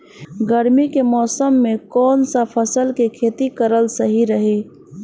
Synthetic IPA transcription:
ɡəɾmikemɔːsəmːekɔːnsəpʰəsəlkekʰet̪ikəɾəlsəɦiɾəɦi

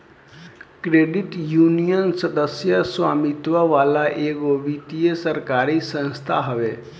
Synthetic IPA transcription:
kɾeːɖɪʈjuːnijənsəd̪əsjəswa̰ːmit̪ʋəʋaːlaʔeːɡoʋit̪ijesəɾkaːɾisə̃nst̪ʰa̰ɦɐʋeː

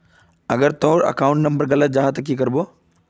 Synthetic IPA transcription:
ɐɡəɾt̪oːɾɐ̰kaːʊ̃ɳʈnɐ̃mbəɾɡɐlət̪̚d͡ʒaːɦt̪ɐkːikɐɾboː

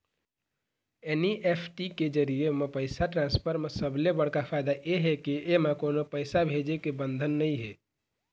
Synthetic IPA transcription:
eniʔepʰʈiked͡ʒəɾiemepəɪsaʈɾãnspʰəɾmesəblebəɽ̤kapʰaɪd̪aʔeɦekiʔemekonopəɪsabʱed͡ʒekebənd̪ʱənːəiɦe

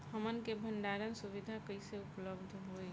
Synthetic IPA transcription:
həmənkebʱəɳɖaɾənsuβid̪ʱakəɪseupləbd̪ʱɦoj

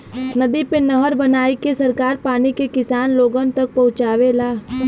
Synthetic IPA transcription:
nɐd̪ipenɐɦəɾbənaːikesɐɾkaːɾpaːnikekɪsaːnloːɡənt̪ɐk̚pɐɦʊ̃t͡ʃaːʋelaː

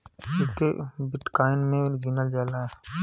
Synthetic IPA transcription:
ikebɪʈkaːɪnmẽɡinəld͡ʒaːlaɛ

